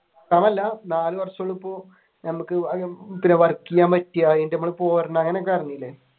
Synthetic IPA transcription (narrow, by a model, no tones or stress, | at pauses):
taːmɐlːɐnaːluʋɐrʂɐɭupːoː | nɐmukːɨpinːeʋɐrkːijaːmpɐtːijaːenɖnɐmːɐɭpoːɐɾɐnːɐɐŋːɐneok̬ːɐrɐnːilːe